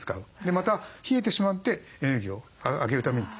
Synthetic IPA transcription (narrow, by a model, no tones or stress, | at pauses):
ɨ̥ka̰ɯ̟d̪e̞mat̪açie̞t̪̬e̞ɕimat̪ːe̞ẽɯɡʲio̞aaɡe̞ɾɯ̟t̪ame̞ɲ̟it͡s